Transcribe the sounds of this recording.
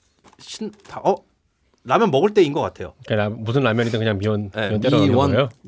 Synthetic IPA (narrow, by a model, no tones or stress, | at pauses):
ɕʰintaʔʌ | namjʌnmʌɡɯɭt͈einɡʌk͈atʰe̞jo̰ik͈aamusʰɯnɾamjʌɲidɯŋkɯɲaŋmiwʌniwʌnt͈eɾʌɾaɡjo